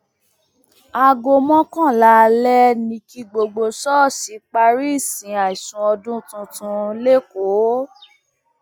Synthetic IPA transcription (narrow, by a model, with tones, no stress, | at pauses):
a˧ɡo˧mɔ̃˦kã˦˨la˨˦˧lɛ˦nĩ˧ki˧ɡ͡bo˧ɡ͡bo˧sɔ˦˨si˨˦k͡pa˧ɾi˦i˦˨sĩ˨a˨i˨sũ˧˦ɔ˧dũ˦tũ˧tũ˧le˦ko˨˦